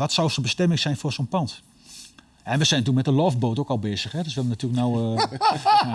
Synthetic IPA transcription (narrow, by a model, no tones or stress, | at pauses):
ʋɔtsawsonbəstɛmɪŋsɛjnfoːrsonpɑnt | ɛnʋəsɛjntuəmɛtəlɔf̚boːtowkɔlˠbeːzəxhɛdøsʋɪlʋənatyːələknaw